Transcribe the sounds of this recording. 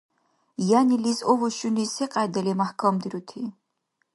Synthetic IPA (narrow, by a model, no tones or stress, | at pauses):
janilisɔvɔʃunisɛqʼajd̪ɛlimahkʰamd̪iɾut̪ʰi